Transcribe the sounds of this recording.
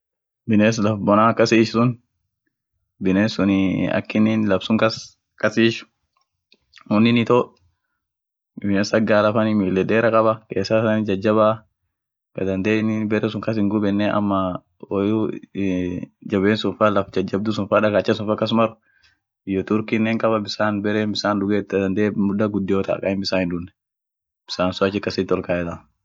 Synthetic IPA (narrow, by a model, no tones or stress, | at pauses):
bɪneːs̬lɐfbɔnaːkːɐsiːʃsʊn | bɪneːnsʊnɪɐ̰kːɪninlɐbsʊŋkɐs | kʼɐsiːʃʊ̥ | hʊnːɪnɪt̪ɔ | ɪneːsɐɡaːlɐfɐnɪmɪlːɛd̪eːɾɐkʼɐbɐkeːsɐsɐnɪd͡ʒɐd͡ʒːɐba | bɐ̰d̪ɐnd̪eːnɪbɛɾɛs̬ʊŋkɐs̬ɪŋɡʊbɛnːɛɐ̰mːɐ | ɔju | d͡ʒɐbeːnsʊnfaːlɐfd͡ʒɐd͡ʒɐb̚d̪ʊsʊnfaːᶑɐkat͡ʃːɛsʊnfakːɐs̬mɐɾʊ | ɪjɔt̪ʊɾkinːɛŋkʼɐbɐbɪsaːnbɛɾɛbɪsaːndʊɡeːɐd̪ɐnd̪eːmʊdɐɡʊd̪ːɪjɔːt̪a̰ːkʼɐɪmbɪsaːhɪnd̪ʊnːɛ | b̥ɪ̥saːnsʊat͡ʃːɪkːɐsɪt̪ɔlkaːɛt̪a